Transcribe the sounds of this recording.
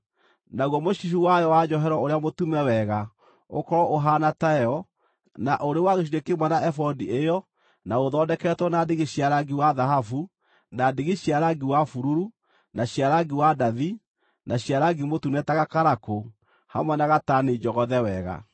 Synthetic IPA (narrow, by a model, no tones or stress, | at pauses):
naɣɔmoɕiʃuwajɔwad͡ʒɔɦɛɾɔoɾeamotumɛwɛɣa | o̰kɔɔʔoɦanataɛɔ | naʔoɾewaɣeʃ̬iɾekemwɛnaʔɛfɔdiejɔ | naoðɔːdɛkɛtwɔnadeɣeɕiaɾaɡiwaðaɦafu | nadeɣeɕiaɾaɡiwafuɾuɾu | naɕiaɾaɡiwadaði | naɕiaɾaɡimotunɛtaɣakaɾako | ha̰mwɛnaɣataned͡ʒɔɣɔðɛwɛɣa̰